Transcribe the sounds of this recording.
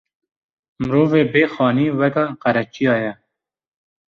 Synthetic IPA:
mɾoːveːbeːxɑːniːwɛkɑqæɾɛt͡ʃijɑːjɛ

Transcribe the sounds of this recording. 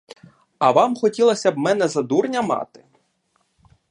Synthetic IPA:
ɐʋɑmxɔtʲilˠɐsʲɐbmɛnɛzɐd̪urnʲɐmɑ̰t̪ɪ

